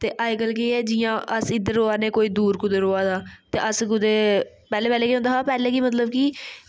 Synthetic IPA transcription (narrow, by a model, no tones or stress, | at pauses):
t̪eːʔaːɪkəlkiːɛːd͡ʒɪjãːʔəsɪd̪əɾoːaːneːkoːiːd̪uːɾkʊd̪eɾoːaːd̪aːt̪ḛːʔəskʊd̪eː | pɛːleːpɛːleːkiːõːnd̪aːaːpɛːleːkiːmət̪ləbkiː